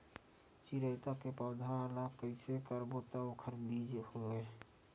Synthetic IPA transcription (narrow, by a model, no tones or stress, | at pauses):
t͡ʃiɾəɪt̪akepəːd̪ʱalakːəɪsekəɾbot̪aokʰəɾbiːd͡ʒhoe